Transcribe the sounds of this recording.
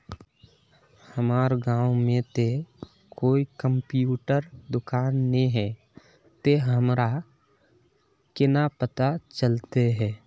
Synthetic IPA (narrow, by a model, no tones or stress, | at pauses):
həmaːɾɡãːwmẽt̪e | koːikəmpjuːʈəɾd̪ʊkaːnːẽɦɛ | t̪eɦəmɾa | kɪnapət̪at͡ʃəlt̪eɦɛː